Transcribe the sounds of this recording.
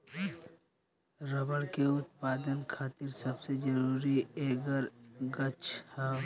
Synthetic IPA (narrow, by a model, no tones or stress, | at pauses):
ɾəbəɽkeʊt̪̚paːd̪ənkʰaːt̪ɪɾsəbsed͡ʒəɾuːɾieːɡəɾɡət͡ʃha